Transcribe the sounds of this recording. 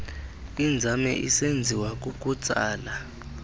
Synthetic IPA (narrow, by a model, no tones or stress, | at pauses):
ind͡zʱamɛ̰ʔḭsend͡zʱiwakʼukʼut͡sʼaːla